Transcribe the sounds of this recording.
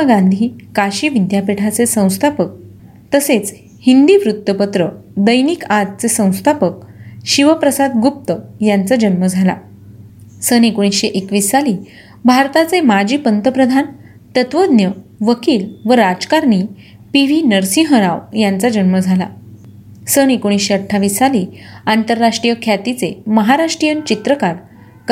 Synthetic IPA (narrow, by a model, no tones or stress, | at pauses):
aɡãnd̪ʱiːkaɕiːʋid̪ʱjapeʈʰat͡sesə̃w̃st̪ʰapək̚ | t̪əset͡s | hind̪iʋɾut̪ːəpət̪ɾəd̪əjnikat̪̚t͡sesə̃w̃st̪ʰapək̚ɕiʋəpɾəsad̪ɡup̚t̪əjant͡sad͡ʑənməd͡zʱala̰ | sənekoɽ̃isɕeʔekʋiːsːaliː | bʱaɾt̪at͡semad͡ʑiːpənt̪əpɾəd̪ʱan | t̪ət̪ʋəd̪njəʋəkiːlʋəɾad͡zkaɾɳi | piʋ̤iːnəɾsĩɦəɾaʋjant͡sad͡ʑənməd͡zʱala̰ | sənekoɽ̃isɕeəʈʰːaʋiːsːaliːant̪əɾːaʂʈɾijəkʰjat̪it͡seməɦaɾaʂʈɾijənt͡ɕit̪ɾəkaɾ | k